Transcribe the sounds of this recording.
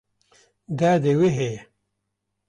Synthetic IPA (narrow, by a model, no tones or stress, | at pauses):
d̪aːd̪eweɦe